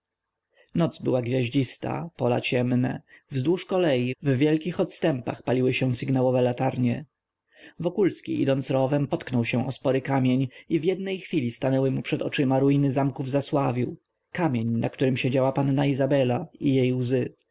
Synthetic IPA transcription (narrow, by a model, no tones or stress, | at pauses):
nɔt̪zsbɘwaɡvʲjaʑd͡ʑist̪a̰pɔla̰t͡ɕɛmnɛvzd̪wuʂkɔlɛjivvʲjɛlkʲixɔt̪st̪ɛmpa̰xpalʲiwɘɕɛw̃sɘɡnawɔvɛlat̪aɾɲɛ | vɔkulskʲḭʔḭd̪ɔnt̪sɾɔvɛmpɔt̪knɔwɕɛ̃ʔɔspɔɾɘkamʲjeɲivjɛd̪nɛjxfʲilʲist̪anɛwɘmupʂɛd̪ɔt͡ʂɘmaɾujinɘzamkuvzaswavʲiw | kamʲjeɲna̰kt̪uɾɘmɕed͡ʑawapanːaizabɛlaijejwzɘ